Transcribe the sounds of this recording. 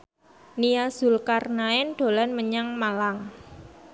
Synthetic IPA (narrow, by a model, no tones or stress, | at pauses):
niaz̥ʊ̤lkarnaɛnɖ̪̥o̤lanməɲaŋmalaŋ